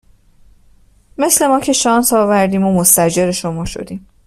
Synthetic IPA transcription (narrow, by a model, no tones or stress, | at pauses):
me̞sle̞mɒːcʰe̞ʃɒːnsɒːvæɾd̪iːmo̞most̪æd͡ʒeɾeʃo̞mɒːʃo̞̰d̪iːm